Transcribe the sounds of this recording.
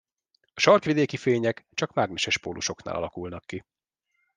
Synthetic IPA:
ɒʃɒrkʋid̪eːkifeːɲɛkt͡ʃɒkmaːɡnɛʃɛʃpoːlʔuʃo̞kna̰ːlɒ̰lɒkulnɒkːi

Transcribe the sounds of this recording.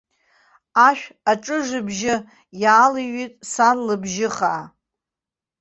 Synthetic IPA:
aʃᶣaʈ͡ʂʼɨʐɨbʒɪ | jaːliɥitʼsanlɨbʒɪχaʔː

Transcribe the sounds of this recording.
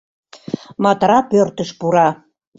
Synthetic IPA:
mɑt̪ɾɑpørt̪əʃpuɾɑ

